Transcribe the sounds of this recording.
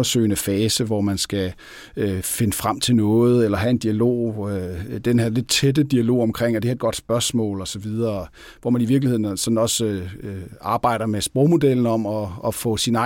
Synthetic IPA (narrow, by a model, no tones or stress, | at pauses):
ɐsø̰ɪnəfɛːsəʋɒmænsɡ̥æ | fe̝nəfʁam̰t͡sʰe̝lnɔ̽ːð̞̩ˠelɐɦæe̝nd̥iælo̝̰ːød̥enheɐle̝d̥̚t͡sʰed̥əd̥iælo̝̰ːɒ̽mkʰʁeŋ̰ɒdehæɐed̥̚ɡ̥ɒ̽d̥sb̥ɶɐsmɔ̰̽ːlɒ̽sɒ̽ʋið̞ˠɐ | ʋɒmæniʋiɐ̥lihe̝ð̰ˠnsɒ̽dn̩ɒ̽s | ɑ̈ːb̥ɑ̈ɪ̰ɾ̥ɐmesb̥ʁɔʊmo̝d̥el̰n̩ɒ̽mɒ̽ːfɔ̰̽sinɑ̈